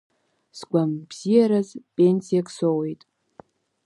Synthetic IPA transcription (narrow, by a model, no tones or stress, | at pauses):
sɡʷambz̥ijaɾazpʼensijakʰʼsowe̞jtʼ